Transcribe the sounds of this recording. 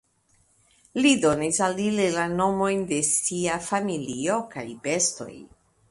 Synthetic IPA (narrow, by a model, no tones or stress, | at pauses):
lido̞nisalilelano̞mo̞jnde̞siafamilio̞ka̰jbe̞sto̞̰j